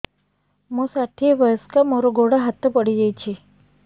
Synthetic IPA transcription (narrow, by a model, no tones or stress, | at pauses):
məsaʈʰiʋəjəskamoɾoɡoɽaɦat̪ːəpəɽid͡ʑajt͡ɕi